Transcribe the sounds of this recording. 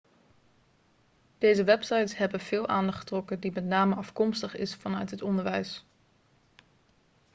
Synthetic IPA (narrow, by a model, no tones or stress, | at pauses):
d̥ejzəʋɛpsɑjtsɦɛbənv̥ɪːlˠʔaːndɑχtrɔkədimɛtnaːməɑfkɔmstəχɪsfɑnœɥtɦətɔndəɹʋɛjs